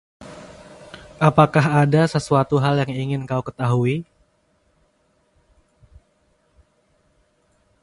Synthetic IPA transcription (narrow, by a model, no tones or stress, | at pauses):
ʔapakaɦadasəsuat̪uɦaljaŋiŋɪnkaukət̪aɦui